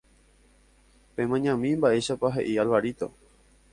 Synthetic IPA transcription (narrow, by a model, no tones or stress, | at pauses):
pẽ̞mãɲãmĩmbaʔe̞ʃapaɦe̞̰ʔialʋaɾit̪o̰